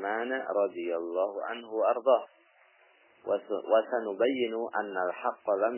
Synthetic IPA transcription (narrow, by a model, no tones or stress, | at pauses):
maːnɾˤɑd̪ˤɨjalːɑːhʊʕa̰nhʊwaʔɑɾˤd̪ˤɑːh | wasanʊbajːɪnʊʔa̰nːalħɑqːɑlam